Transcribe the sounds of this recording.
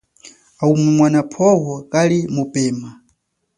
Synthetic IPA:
aumɛmwanapʰɔwɔkalimupɛːma

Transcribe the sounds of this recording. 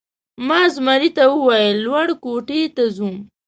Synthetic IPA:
mɑzmaɾit̪awəwajəlːwaɽkoʈet̪azum

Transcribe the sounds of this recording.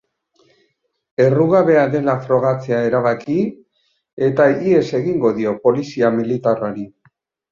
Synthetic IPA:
e̞ruɣaβe̞aðe̞lafɾo̞ɣ̞at͡se̞ae̞ɾaβ̞aki | e̞t̪aie̞se̞ɣiŋɡo̞ðio̞po̞lisiamilit̪araɾi

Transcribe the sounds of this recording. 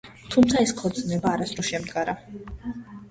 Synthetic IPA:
t̪ʰumt̪sʰaɛskʰɔɾt̪sʼnɛbaːɾasɾɔʃɛmd̪ɡaɾa

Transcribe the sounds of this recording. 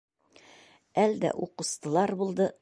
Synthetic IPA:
æld̪æ̰ʔuqɤ̆st̪ɤ̆lˠɑɾbulˠd̪ɤ

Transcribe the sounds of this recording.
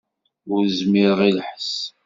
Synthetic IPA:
ʊɾzmiɾəʁilħə̥s

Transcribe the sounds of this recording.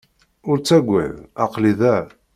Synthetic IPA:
ʊɾt͡sːæɡʷːæ̰ðɑqliðæ

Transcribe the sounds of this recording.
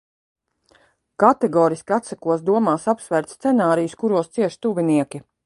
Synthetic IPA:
kat̪ɛɡɔːɾiskʲiat̪sakuɔs̬d̪uɔmaːsapsvæɾt̪st̪ɛnaːɾijuskuɾuɔst̪siɛʃt̪uviniɛkʲi

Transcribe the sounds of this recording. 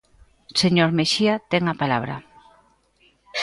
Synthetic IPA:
seɲoɾmeʃiat̪eŋapalaβ̞ɾɐ̰

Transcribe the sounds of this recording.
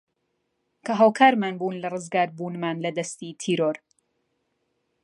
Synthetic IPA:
kʰɐɦaːwkʰaːɾmaːnbuːnlɐrɨzɡaːɾbuːnmaːnlɐd̪ɐst̪it̪ʰiːɾoːɾ

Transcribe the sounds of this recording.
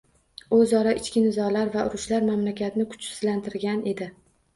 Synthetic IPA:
ʊzɒɾaʔɪt͡ʃkʲɪnɪzɒlaɾvaʔʊɾʊʃlaɾmamlakʲat̪nɪkʰʊ̥t͡ʃɪ̥z̥lant̪ʰɪɾɡʲanʔe̞d̪ɪ

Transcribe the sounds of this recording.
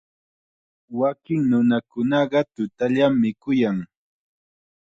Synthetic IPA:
wakɪŋnʊnakʊnɑɢɑt̪ʊt̪aʎamːɪkʊjaŋ

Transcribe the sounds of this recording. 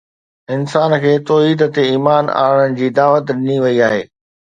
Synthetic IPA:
ɪnsaːnkʰeːt̪oːɦiːd̪t̪eiːmaːna̰ːɽ̃ənɪ̆d͡ʑiːd̪aːʋət̪ɗɪniʋɐiaːɦḛː

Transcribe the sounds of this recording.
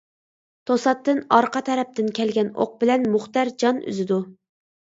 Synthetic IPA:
t̪ʰosɑt̪ːɨnɑɾqʰɑt̪ʰɛɾɛp̚t̪ɪnkʲɛlɡʲɛno̰q̚bɪlɛnmʊχt̪ɑɾd͡ʒɑny̰zɪd̪u

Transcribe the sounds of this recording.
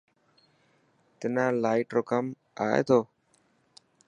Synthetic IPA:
t̪ɪnãːlaːɪʈɾoːkəm | aːḛːt̪ʰoː

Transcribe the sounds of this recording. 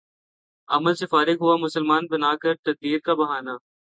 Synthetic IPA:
ɐ̰məlsɪfaːɾɪkɦʊamʊsəlmaːnbɐnaːkɐɾt̪ɐd̪̚b̪iːɾ̚kabɐɦaːnaː

